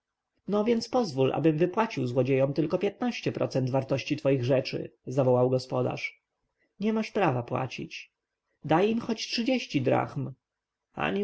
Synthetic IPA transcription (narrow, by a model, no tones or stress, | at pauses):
nɔvʲjɛnt̪spɔzvulʔa̰bɘmvɘpwat͡ɕiwzwɔd͡ʑejɔmt̪ɘlkɔpʲjɛt̪̚naɕt͡ɕɛpɾɔ̰t̪sɛnt̪vaɾt̪ɔɕt͡ɕit̪fɔjiɣʐɛt͡ʂɘ̰zavɔwawɡɔspɔd̪a̰ʂ | ɲɛmaʂpɾavapwa̰t͡ɕḭt͡ɕ | d̪ajimxɔt͡ɕtʂɘd͡ʑeɕt͡ɕid̪ɾa̰xm | a̰ɲi